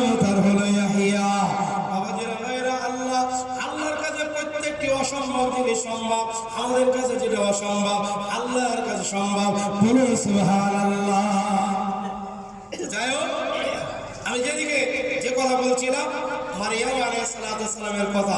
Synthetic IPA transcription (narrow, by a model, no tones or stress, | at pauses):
mt̪aɾɦolojaɦijababad̪eɾnɔeɾaɐlːa | alːaɾkad͡ʑʰeɾpot̪ʰːek̚ʈːiɔʃɔmbʱabibeʃɔmbʱab | amad̪eɾkat͡ʃʰed͡ʑiɾaɔʃɔmbʱabɐlːaɾkat͡ɕʰeʃɔmbʱabb̚bolesubɦaːɾalːa | eʈad͡ʒajoajam | amid͡ʑed̪iked͡ʑekɔt̪ʰabolt͡ɕʰilamɐɾijamalejsɐlaːt̪uɐsːalameɾkɔt̪ʰa